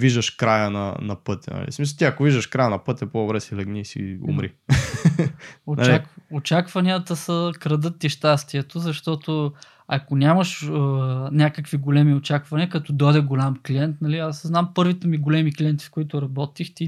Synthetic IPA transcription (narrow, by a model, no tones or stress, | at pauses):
viʒd̪əʃkɾajənɐ̰nɐ̰pɤt̪ʲɛ̰nɐ̰lḭsmis̬ɐt̪iɐkoviʒd̪əʃkɾajənɐpɤt̪ʲɛpod̪obɾɛsilɛɡnisḭʊ̰mɾḭ | onɐ̰t͡ʃlakot͡ʃakvɐniət̪əsəkɾɐd̪ɤt̪ːiʃt̪ast̪iɛt̪ozɐʃt̪ɔt̪o | ɐkonʲamɐʃənʲakəkviɡolɛmiot͡ʃakvɐnʲiəkɐt̪ɔd̪ɔjd̪ɛɡolʲamkliɛnt̪nɐliasznampɤɾvit̪ɛmiɡolɛmiklʲiɛnt̪i̥fkoit̪ʊɾɐbɔt̪ixt̪i